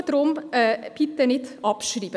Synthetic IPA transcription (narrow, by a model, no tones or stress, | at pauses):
t̪ɾʊmpʰɪt̪ːəɳɪt̪ɑpʃɾiːʋə